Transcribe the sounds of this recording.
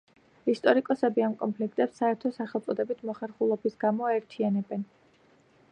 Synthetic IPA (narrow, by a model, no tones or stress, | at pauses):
ist̪ʼɔɾikʼɔsɛbiamkʼɔnpʰlikʰt̪ʼɛpsːaɛɾt̪ʰɔsaχɛlˠt̪sʼɔd̪ɛbit̪ʰmɔχɛɾχulˠɔbisɡamɔaɛɾt̪ʰianɛbɛn